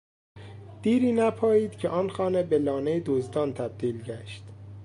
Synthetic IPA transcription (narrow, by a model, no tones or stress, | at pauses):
d̪̥iːɾiːnæpʰɒːjiːd̪̥cʰeʔɒːnxɒːnebelɒːnejed̪ozd̪ɒːnt̪ʰæb̥̚d̪̥iːlɟæʃt̪